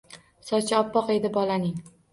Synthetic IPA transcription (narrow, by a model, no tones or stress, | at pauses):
sɒt͡ʃʰaɒpːɒqe̞d̪ɪbɒlanɪŋ